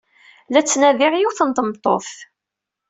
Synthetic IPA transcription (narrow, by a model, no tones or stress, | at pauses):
læt͡sːnæðɪʁjuwθənt̪ˤəmt̪ˤːo̰θ